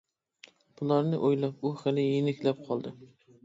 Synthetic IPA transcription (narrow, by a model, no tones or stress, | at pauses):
b̥ʊlaɾnɪʔojlap̚ʊχalɪjɪnɪkʲlap̚qʰɒlˠd̪ɪ